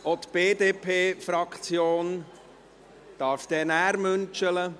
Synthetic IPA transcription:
ot̪b̥eːdeːpʰeːfɾɑkt͡sjoːn | d̥ɑːɾfd̪̥ɛnæːɾmɵnt͡ʃələ

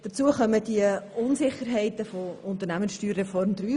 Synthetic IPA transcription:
d̥ət͡suəχœmədiəʊnsɪχːəɾɦɛɪtəfoʊnt̪əɾnæmənsʃtyːɾːefɔɾmd̪ɾyː

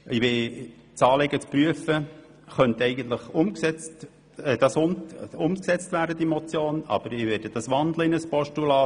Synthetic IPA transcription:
ʔɪʋɪ | t͡sɑːleɡət͡spɾyəfə | χœnt̪ɛɪɡən̩t̪ləχʊmksɛt͡st | ɛd̥ɑsʊmʊmksɛt͡stvæːɾdəd̥̪imɔt͡sjoːnɑ̰b̥əɾɪʋɛːɾdəd̥ɑsʋɑnd̪ləɪnəspɔʃtulɑː

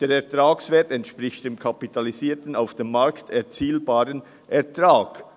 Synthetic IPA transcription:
d̥eːɾɛɐtʁaːksveːɐtɛntʃpʁɪçtd̥eːmkʰapitʰaliziːɐtən̩aʊfd̥eːmːaɾktɛɐt͡siːlbaːɾən | ʔɛɐtʁaːk

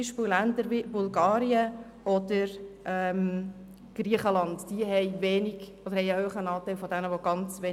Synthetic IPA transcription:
iʃpɪllændəɾvibulɡɑːɾiə | ʔɔd̥əɾʔɛm | ɡ̥ɾiəχəlɑndd̥iəɦɛɪvɛːnɪɡ̥ɔd̥̪əɾhɛɪøːχənɑːtæɪlfɔdɛnəʋoɡ̥ɑnt͡sʋe

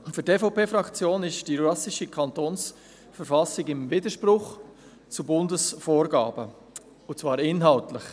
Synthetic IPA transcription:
fʏɾtefɔʊpeːfɾɑkt͡sjoːnɪʃd̥iɾɑsɪʃikʰɑntoːns | fɛɾfɑsɪɡɪmvɪd̪əʃpɾʊχ | t͡subʊndəsfoːɾɡɑ̰ːbə | ʊt͡svɑːɾɪnɦɑʊtlɪχ

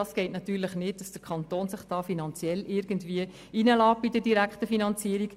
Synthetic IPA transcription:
ɑːsɡ̥ɛɪtnɑt̪yːɾləχnɪt̚d̥ɑsd̥əɾkʰɑnt̪oːnsɪχd̥ɑːfinɑnt͡sjɛlɪːɾɡ̥əntʋiə | inəlɑːp̚bidədiɾækχtəfinɑnt͡siəɾik

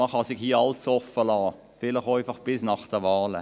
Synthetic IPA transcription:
ɑχɑsɪɡhiːɑlt͡sɔfəlɑː | fɪlɪχaɪfɑχb̥ɪsnɑχd̥əʋɑːlə̰

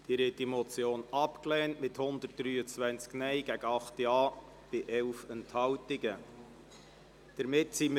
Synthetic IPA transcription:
d̥iɾɛt̪imɔt͡sjoːnɑpklɛːntmɪthʊnd̪ət̚d̥ɾyːət͡svʋænt͡sknɛjɡ̥æɡəɑχtjɑː | b̥ɪʔɛlfɛnthɑwtɪɡə | d̥əɾmɪtsim

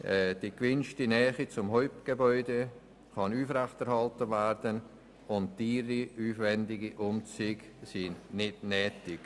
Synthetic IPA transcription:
ɛd̥ikvɪnʃtinɛːχit͡sʊmɦɔʏp̚tɡ̥ebɔʏde | kɑnuːfrɛχtɛɾhɑltəvɛɾd̥ən | ʊntd̥iːɾiyːfvɛndɪɡiʔʊmt͡syɡsinnɪdnɛːtɪk

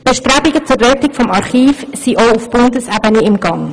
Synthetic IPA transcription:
b̥ɛʃtɾɛbɪɡət͡sʊɾlɛtɪkfɔmɑɾχiːfsiʔoʊufb̥ʊndəsæbənəɪmɡ̥ɑŋ

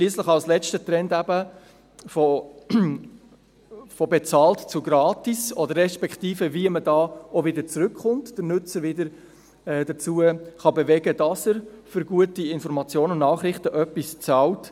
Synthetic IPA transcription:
ʃliːəsləχɑlslɛt͡stət̪ɾɛndæbə | fo | fɔbɛt͡sɑːltt͡sʊɡɾɑːtisɔdərːɛʃpɛkχtiːfəviəmədɑːovɪdəɾt͡sɾʏkχʊntd̥əɾnʉt͡səɾvɪdəɾ | ɛdət͡suːəχɑbevɛɡədɑsəɾfʏɾɡuətiɪnfɔɾmɑt͡sjoːnənnɑːχɾɪχtəʔœpːist͡sɑlt

